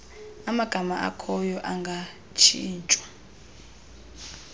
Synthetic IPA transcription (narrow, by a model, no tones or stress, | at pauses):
amaɡ̥ʱamaʔa̰kʰɔjɔʔaŋɡʱa | t͡ʃʰiːnt͡ʃʼwḁ